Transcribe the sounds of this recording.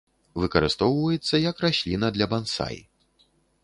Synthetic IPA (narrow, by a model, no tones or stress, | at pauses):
vɨkɐɾɨst̪ɔwvɐjɛt̪sːɐjɐkrasʲlʲinɐd̪lʲɐbansa̰j̰